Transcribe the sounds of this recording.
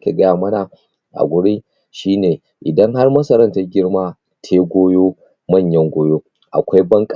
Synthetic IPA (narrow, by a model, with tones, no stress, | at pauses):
kʲeː˨ɡɐ˦jaː˨mɐ˦na˨ | ʔa̰˨ɡʷʊ˦ɽi˦ | ʃiː˦neː˨ | ʔɪ˨dɐ˦ŋɦa˦rmɐ˦sɐ˨ɾɐ˦nta˦ɡʲɪ˦rmaː˦ | tʰeː˦ɡʷoː˦joː˦ | mɐ˦˨ɲjɐ˦ŋɡʷoː˦joː˦ | ʔa̰˨kʷa˦jbɐ˦ŋkʼ